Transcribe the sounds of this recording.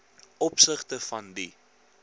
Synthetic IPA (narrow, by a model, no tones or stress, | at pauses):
ɔpsəχtəfɐndi